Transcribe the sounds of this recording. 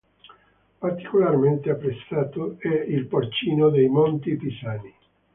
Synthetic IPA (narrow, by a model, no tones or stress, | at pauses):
part̪i̥kolarment̪eapːɾet̪sːaːt̪oɛilport͡ʃiːnod̪ejmont̪ipisaːni